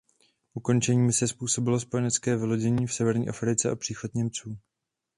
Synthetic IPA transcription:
ʔuko̞nt͡ʃɛɲiːmɪsɛspuːso̞bɪlo̞spo̞jɛnɛt͡skɛːvɪlo̞ɟɛɲiːfsɛvɛɾɲḭːʔafɾɪt͡sɛʔapr̝̥iːxo̞t̪ɲɛmt͡suː

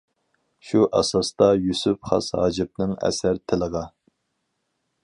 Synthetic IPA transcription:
ʃuʔɑsɑst̪ɑjusypχɑ̰shɑ̰ːd͡ʒɪp̚nɨŋɛ̰sæɾt̪ʰɪləʁɑ

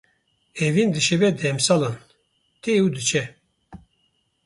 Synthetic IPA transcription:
ɛvind̪ɨʃɛbɛd̪ɛmsalan | t̪ʰeud̪ɨt͡ʃʰɛ

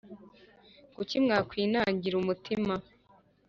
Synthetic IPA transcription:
ɡ̥ucimŋaːkwiːnaːɲɟiɾumutʰima

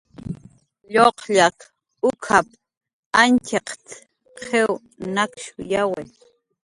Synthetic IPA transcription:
ʎoqʎak | ʊkʰap̚ | ant͡ʃeqt͡s | qʰew | nakʃʊjawej

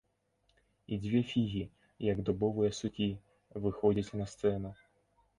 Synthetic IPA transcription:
id͡zʲʋʲifʲiɣʲi | jɐɡd̪ɔbɔʋɨjɐsʊkʲi | ʋɪxɔd͡zʲɐt͡sʲnɐst̪sɛnʊ

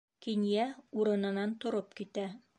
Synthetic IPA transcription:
kinjæuɾɤ̆nɤ̆nɑnt̪ŏɾopkit̪æ

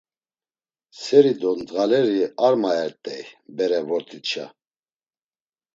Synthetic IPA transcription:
sɛɾid̪ɔnd̪ɣalɛɾiaɾmaɛɾt̪ʼɛjbɛɾɛvɔɾt̪ʰit͡ʃʰa̰

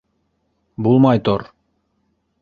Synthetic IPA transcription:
bulˠmɑjt̪oɾ

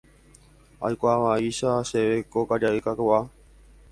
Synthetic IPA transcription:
a̰jkʷaʋaiʃaʃeʋekokad͡ʒaekakwa

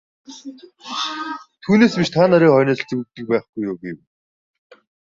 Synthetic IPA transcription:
t̪ʰuːneːspiʃt̪ʰaːnaɾʲiːχɔjnə̆ɮ̆t͡suwɘk̚t̪ɘ̆k̚pæːχɡujoːɡew

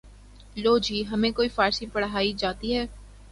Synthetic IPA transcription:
loːd͡ʒiːɦɐmẽkoːifaːɾsĩpɐɽɦaːid͡ʒaːt̪iɦɛː

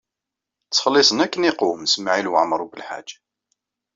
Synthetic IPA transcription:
t͡sːχəlːisˤənækːəniqumsmaʕilwəʕmɾˤubəlħa̰d͡ʒḁ

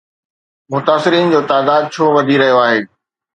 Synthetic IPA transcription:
mʊt̪aːsɪɾiːnd͡ʑoːt̪aːd̪aːd̪̚t͡ɕʰoːʋɐd̪ʱiɾɐɦijoaːɦeː

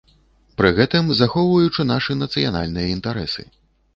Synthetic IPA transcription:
pɾɨɣɛt̪ɨmzaxɔwvɐjut͡ʂɨnaʂɨnɐt̪sɨja̰na̰lʲnɨjɐint̪aɾɛ̰sɨ̰

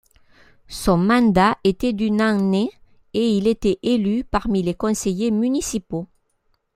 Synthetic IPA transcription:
sɔ̃mɑ̃d̪aʔet̪ɛd̪ynɑ̃ne | eilet̪ɛʔelypaʁmilekɔ̃sejemynisipo

